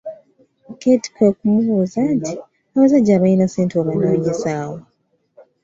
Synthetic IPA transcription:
keti̥kwekumuβuːzantʰi | aβazaɟːaːβajinaseːntoβanaːɲisaːwo

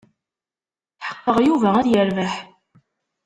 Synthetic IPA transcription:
θħə̥qːəʁjuvææðjəɾvæħ

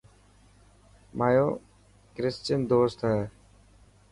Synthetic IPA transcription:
maːjoː | kɾɪst͡ʃənd̪oːst̪ɦɛː

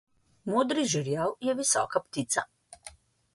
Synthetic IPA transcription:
moːd̪ɾiʒiɾjawjɛʋisɔ̰ːkapt̪it̪sa̰

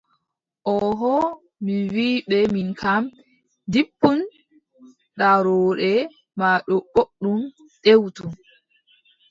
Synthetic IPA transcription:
ʔɔɦɔ | miwiːɓɛminkʰam | dipːun | ɗaɾɔːɗɛ | maɗɔɓoɗːum | ɗewtu

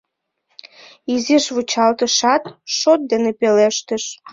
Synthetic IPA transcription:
iziʃβut͡ɕɑlt̪əʃɑt̪ʃot̪̚d̪enepeleʃt̪əʃ

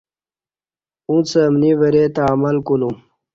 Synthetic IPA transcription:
ũt͡səmnivəɾet̪amɐlkulum

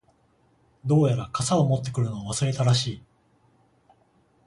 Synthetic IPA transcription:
d̪o̞ːjaɾakasaomo̞t̪ːe̞kɯ̟ɾɯ̟no̞aβ̞asɨɾe̞t̪aɾaɕiː

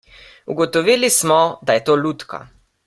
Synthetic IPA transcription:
uɡɔt̪ɔʋiːlismɔd̪ajɛt̪oːlut̪ka̰

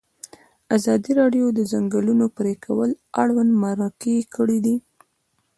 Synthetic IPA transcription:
azɑd̪iɾɑɖjod̪əzaŋɡəlunopɾekʰawəlaɽwand̪maɾakekəɽid̪i

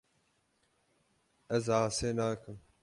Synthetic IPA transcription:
ɛzʕaːseːnaːkʰɨm

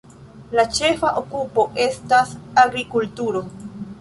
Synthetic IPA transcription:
lat͡ʃe̞faʔokupo̞ʔe̞stasaɡɾikultuɾo̞

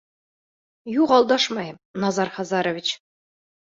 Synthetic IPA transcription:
juʁɑlˠd̪ɑʂmɑjɤnɑzɑrχɑzɑɾŏvʲit͡ɕ

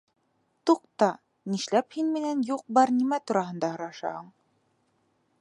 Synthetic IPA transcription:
t̪uq̚t̪ɑ | niʃlæphinminænjuq̚bɑɾnimæt̪uɾɑɦɤ̆nd̪ɑhɤ̆ɾɑʃɑ̰hɤɴ

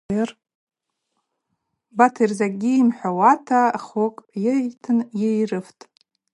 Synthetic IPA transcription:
ɪr | batʰirzaɡʲiimħʷᶣawatʰaχokʼjetʰɨnjejrɨftʼ

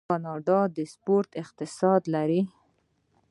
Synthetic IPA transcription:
ɑnɑɖɑd̪əspoɾt̪ɪq̚t̪ɪsɑd̪laɾi

